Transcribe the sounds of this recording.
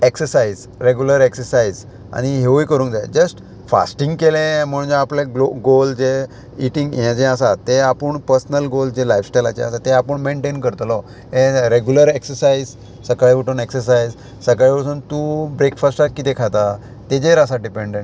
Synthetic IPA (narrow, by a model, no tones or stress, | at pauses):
eksəɾsaiz | ɾeɡjuləɾeksəɾsaiz | a̰ɽ̃iɦeʋujkəɾũːnkd͡zaj̰d͡ʑəsʈ | fa̰sʈĩŋɡkelẽm̤əɳ̃d͡zeapleɡloɡold͡ze | iʈĩŋɡjãt͡ɕɛ̃asat̪ːeapəɳpəɾsnəlɡold͡ʑelajfsʈajla̰t͡ɕḛasat̪ːeapəɳmeɳʈenkəɾt̪lɔ | ẽɾeɡjuləɾeksəɾsaiz | səkaɭeʋəʈəneksəɾs̬ajz | səkaɭeəsuːnt̪ubɾekfasʈat̪kit̪ekʰat̪a | t̪ed͡ʑeɾasaɖipeɳɖẽɳʈ